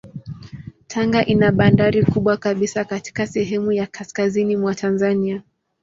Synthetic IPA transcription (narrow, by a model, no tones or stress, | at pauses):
tʰaŋɡaʔinaɓandaɾikuɓwakaɓisakati̥kasɛɦɛmujakaskazinimwatʰanzania